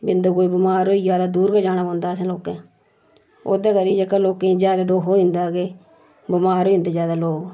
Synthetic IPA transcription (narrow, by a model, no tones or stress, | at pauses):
bɪnd̪oːkoːiːbɪmaːɾoːijaːd̪aːd̪uːɾɡaːd͡ʒaːñaːbãːnd̪aːsãːloːkẽː | o̰ːd̪aːkəɾiːd͡ʒəkaloːkẽːd͡ʒjaːd̪aːd̪oːɦoːɪ̃nd̪aːɡeː | bɪmaːɾoːind̪eːzjaːd̪aːloːɡ